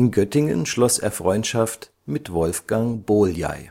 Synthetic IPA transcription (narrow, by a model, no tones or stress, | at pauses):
ɪnɡœtɪŋə̰nʃlɔsḛːɐfʁ̥ɔʏntʃaft | mɪtvɔlfɡ̥aŋboːlja̰ɪ